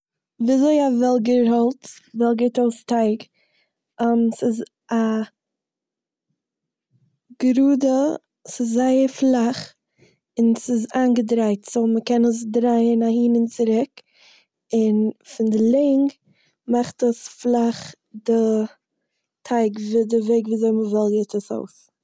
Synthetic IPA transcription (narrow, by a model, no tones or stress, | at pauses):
viːazoɪavɛlˠɡəhɔlˠtvɛlˠɡəɾtɔlˠstaɪɡ | ɛmsɪz | a | ɡ̥ɾuːdə | sɪzːaɪəɾflˠaχ | ɪnsɪzaːnɡədɾaɪtsoʊməkɛnəs̬dɾaɪənahiːnɪnt͡sɪɾɪk | ɪnfɪndɪlˠɛɪŋ | maχtəsflˠaχ | dɪ | tʰaɪɡvɪdɪveɪɡviːzoɪməvɛlˠɡeɪtəso̰ʊs